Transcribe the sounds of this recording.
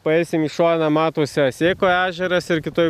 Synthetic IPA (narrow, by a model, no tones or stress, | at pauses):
pɐɛɪsʲɪmiʃoːnɐmɑːt̪oːsʲɪɐsʲeːkoːæːʒʲɛɾɐsɪɾkʲɪt̪oːj